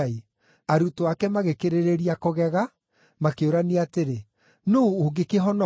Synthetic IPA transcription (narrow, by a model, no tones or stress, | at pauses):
i | aɾutoakɛmaɣekeɾeɾeɾiakoɣɛɣa | makeoɾaneateɾe | noːɡekeɦɔnɔ